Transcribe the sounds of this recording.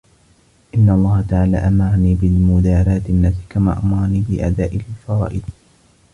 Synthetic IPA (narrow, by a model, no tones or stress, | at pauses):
ʔɪnːaʔɑlˤːɑːhat̪aʕaːla̰ːʔamɑɾˤɑniːbɪlmʊd̪aːɾaːt̪ɪnːat̪ɪ̥kama̰ːʔamɑɾˤɑniːbɪʔa̰d̪aːʔɪlfɑɾˤɑ̰ːʔɪd̪